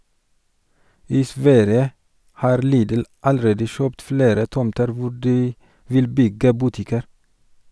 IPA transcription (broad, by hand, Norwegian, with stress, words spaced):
ˈiː ˈsʋæɾjə ˈhɑːɾ ˈliːdl̩ ɑlˈɾeːdə ˈʃœpt ˈfleːɾə ˈtɔmtəɾ ˈʋʊ ˈɖiː ˈʋɪl ˈbʏɡə ˈbʉˌtɪkəɾ